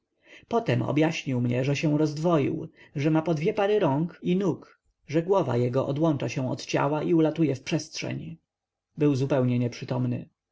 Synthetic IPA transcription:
pɔt̪ɛmɔ̰bjaɕɲiwmɲɛʐɛɕɛ̃w̃ɾɔzd̪vɔjḭwʐɛmapɔd̪vʲjɛpaɾɘɾɔŋkinuk | ʐɛɡwɔva̰jɛɡɔʔɔd̪wɔnt͡ʂaɕɛ̃w̃ɔ̰t̪t͡ɕa̰waʔiulat̪ujɛfpʂɛstʂɛ̰ɲ | bɘwzupɛwɲɛɲɛpʂɘt̪ɔmnɘ̰

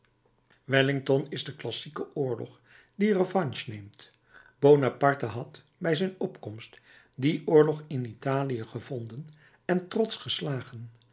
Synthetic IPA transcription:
ʋɛlɪŋtɔnɪzdəklɑsikəʔʊːɹlɔ̰χ | dirəvɑnʃnejmt | b̥ownapɑɹtəɦɑt | bɛjzɛjnɔpkɔmst | diʔʊːɹlɔχɪnitaːlijəχəvɔndən | ɛntrɔtsχəslaːχən

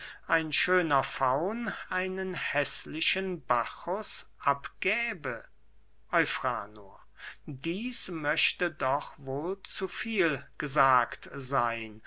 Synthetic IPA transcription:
ʔaɪnʃøːnɐfaʊnʔaɪnənhɛslɪʃənbaxʊsʔapɡ̥ɛːbə | ʔɔʏfʁa̰ːno̰ɐ | diːsmœʃtədɔχvoːlt͡sufiːlɡ̥əzaːktzaɪn

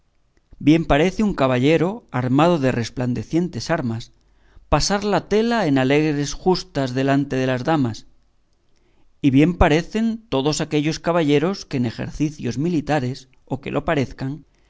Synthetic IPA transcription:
bje̞mpaɾe̞θeuŋkaβ̞aʎe̞ɾo̞aɾmað̞o̞ðe̞re̞spland̪e̞θje̞nt̪e̞saɾmas | pasaɾlat̪e̞lae̞nale̞ɣɾe̞sxust̪azðe̞lant̪e̞ðe̞lazðamas | iβje̞mpaɾe̞θe̞nt̪o̞ðo̞sake̞ʎo̞skaβaʎe̞ɾo̞skeːne̞xe̞̰ɾθiθjo̞zmilit̪aɾe̞s | o̞ke̞̰lʔo̞paɾe̞θkaŋ

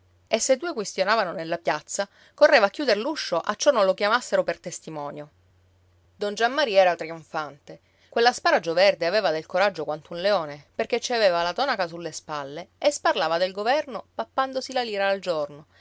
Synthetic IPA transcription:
esːed̪ːuːekwest̪jonaːvanonelːapjat̪sːa | korːeːvaːkːjuːd̪eɾluʃːoʔat͡ʃːɔnːonlokjamasːeɾopert̪est̪imɔːnjo | d̪ond͡ʒamːaɾiɛːɾat̪ɾiuɱfant̪e | kwelːaspaːɾad͡ʒovɛrd̪eaveːvad̪elkoɾad͡ʒːokwant̪unleɔːneperk̟et͡ʃːiaveːvalat̪ɔnakasulːespalːeesparlaːvad̪elɡovɛrnopapːand̪osilaliːɾaːld͡ʒorno

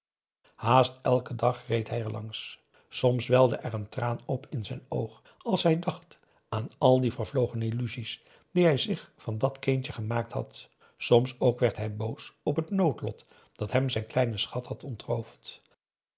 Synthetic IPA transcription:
haːstɛlˠkədɑχrejtɦɛjɛɹlɑŋs | sɔmsʋɛlˠdəʔɛɹəntraːnɔpʰɪnzɛjnowχ | ɑlˠsɦɛjdɑχt | aːnɑlˠdivəɹvlowχənilyzis | d̥iɦɛjzɪχfɑndɑtkentəχəmaːk̚tɦɑ̰t | sɔmsowkʋɛɹtɦɛjbowsɔpɦətnowtlɔ̰t | d̥ɑtɦɛmzɛjnklɛjnəsχɑtɦɑtɔntrowft

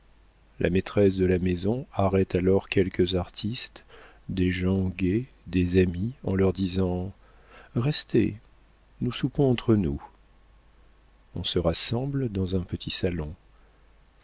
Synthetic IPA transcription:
lʔa̰met̪χɛs̬d̪əlamezɔ̃aʁɛt̪alɔʁkʲɛlkəzaʁt̪ʰist̪ | d̪eʒɑ̃ɡʲe | d̪ezamiɑ̰̃lœʁd̪izɑ̃ | ʁɛst̪ḛ | nusupɔ̃ɑ̃t̪χənu | ɔ̰̃səʁasɑ̃bld̪ɑ̃zɛ̃pət̪ʰisalɔ̃

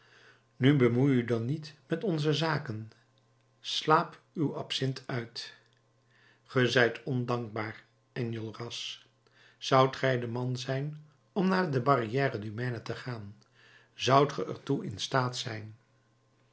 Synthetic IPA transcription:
nybəmujydɑnitmɛtɔnzəzaːkən | slaːp | ywɑpsɪntʰœɥt | χəzɛjtʰɔndɑŋɡ̚baːr | ɛnjolˠrɑs | z̥ʌwtχɛjdəmɑnzɛjn | ɔmnaːdəbɑrijɛːrədymɛnətəχaːn | zʌwtχəʔə̰ɹtuɪ̰nstaːtsɛjn

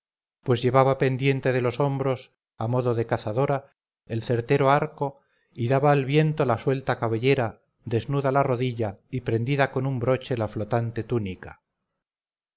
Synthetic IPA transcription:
pwe̞zʝe̞βaβape̞nd̪je̞nt̪e̞ðe̞lo̞so̞mbɾo̞s | amo̞ðo̞ðe̞kaθaðo̞ɾa | e̞lθe̞ɾt̪e̞ɾoaɾko̞ | iðaβaːlβje̞nt̪o̞laswe̞lt̪akaβe̞ʎe̞ɾa | ðe̞znuðalaro̞ðiʎaipɾe̞nd̪iðako̞numbɾo̞t͡ʃe̞laflo̞t̪ant̪e̞t̪unika

